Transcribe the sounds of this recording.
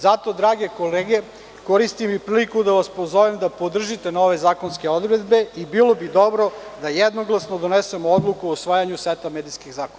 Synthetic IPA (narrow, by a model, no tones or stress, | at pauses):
zat̪o̞d̪ɾaːɡe̞koleːɡe̞ | koɾist̪imipɾiːlikud̪aʋaspozoʋemd̪apod̪r̩ʒit̪e̞no̞ʋe̞zaːko̞nske̞o̞d̪ɾed̪be̞ibilˠo̞bid̪obɾo̞d̪ajɛd̪noɡlˠasno̞d̪o̞nesemood̪lˠukuousʋaːjaɲusʋet̪ameːd̪iskiɣzaːkona